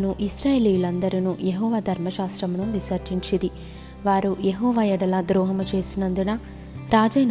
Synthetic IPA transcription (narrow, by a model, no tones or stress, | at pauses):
nuʔisɾaːjeːlijulɐnd̪ɐɾinujeɦɔːʋaːd̪ʱɐɾmɐʃaːst̪ɾɐmnuʋisɐɾt͡ʃiɲt͡ʃid̪i | ʋaːɾujeɦɔːʋajɛɽɐlɐd̪ɾɔːɦɐmɐt͡ʃe̞ːsinɐnd̪unɐ | ɾaːd͡ʒɐːjn